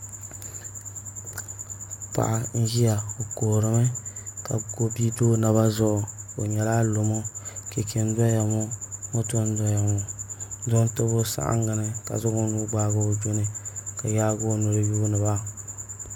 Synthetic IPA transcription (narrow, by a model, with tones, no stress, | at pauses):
pa̰˨ʔa˨n̩˦ʒi˦ja˨o˨koː˨ɾɨ˦mɨ˦ka˨ɡo˦bi˦do˦na˨βa˦zʊ˦ʔʊ˨o˨ɲɛ˨laː˦lo˨mo˦ke˨kʰe˨n˦dʷa˦ja˨mo˦o˦to˦n˦dɔ˦ja˨mo˨˦do˦n˦to˦bʊ˦sa̰˦ʔa̰˦ŋɡa˨nɨ˦ka̰˨zʊ˦ɡʊ˦nu˦ɡ͡baː˦ɡa˦˨d͡ʒo˦nɨ˨ka˨jaː˦ɡo˦nʊ˨ɾɨ˦juː˦nɨ˨ba˦